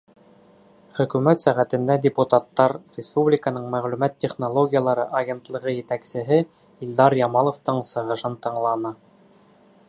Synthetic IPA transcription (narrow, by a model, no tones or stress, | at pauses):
χɵ̆kʉmæt̪sæʁæt̪ɘ̆nd̪ædʲɪput̪at̪ːɑɾrʲɪspublʲɪkənɤɴmæʁlʉmæt̪ʲːeχnolˠoɡʲijəlˠɑɾɤʔɐɡʲent̪lˠɤ̆ʁɤjɘ̆t̪æksɘ̆ɦɘ | ilʲd̪ɑɾjɑmɑlˠŏft̪ɤɴsɤ̆ʁɤ̆ʃɤnt̪ɤ̆ɴlˠɑnɤ